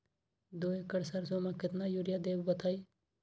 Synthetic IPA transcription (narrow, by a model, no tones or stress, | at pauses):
d̪oːekəɽsaɾsomãkɪt̪najuɾɪjad̪eːbbət̪ʰaːi